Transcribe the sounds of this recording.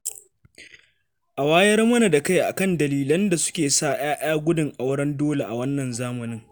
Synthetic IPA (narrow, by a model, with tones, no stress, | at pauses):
ʔa˨waː˦jɐ˦rmɐ˦na˨da˨ka˦jʔa̰˨kɐ˦ndɐ˨liː˦lɐ˦nda˨sʊ̥˦kʲeː˨saː˦˨ʔaː˦ʔaː˦ɡʷʊ˦dʊ˨ŋʔa˨wɽɐ˦ndoː˦le˨ʔa˨wɐ˦nːɐ˨nzaː˦mɐ˨nɪ˦ŋ